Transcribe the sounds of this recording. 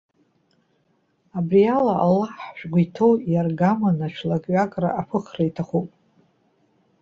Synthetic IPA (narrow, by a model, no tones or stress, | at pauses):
abrijalaa̰lːaħʃᶣʷɡʷaitʰo̞wjarɡamanat͡ʃʷʰlakʼɥakʼra̰apʰɨχraitʰaχupʼ